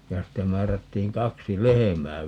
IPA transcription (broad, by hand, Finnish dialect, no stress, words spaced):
jɑ ste mæːrætːiːŋ kɑksi lehemæː